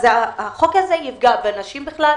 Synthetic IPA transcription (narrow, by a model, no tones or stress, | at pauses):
zeaaχokazejivɡabenaʃimbiχla